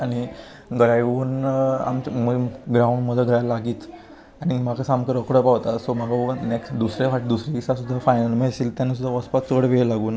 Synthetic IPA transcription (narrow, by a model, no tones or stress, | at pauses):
aɽ̃i | ɡəɾajuːna̰mt͡ɕməɡɾauɳɖməd̪ʱːəɡəɾajlaɡiːt̪ | aɽ̃im̤akasamkəɾəkɽəpaʋt̪asɔmaɡaneksʈd̪usɾaʋaʈd̪usɾiisasud̪ʱːafajnəlmesiːlt̪janːas̬ud̪ʱːaʋəspat͡səɽʋelaɡuːna